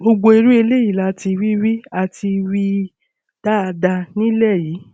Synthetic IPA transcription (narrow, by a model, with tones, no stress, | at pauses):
o˧ɡ͡bo˧e˧ɾu˦e˧le˦ji˦˨la˨˦ti˧wi˦wi˦a˧ti˧wi˦ | d̥a˦a˧da˧nĩ˦lɛ˦˨jiː˨˦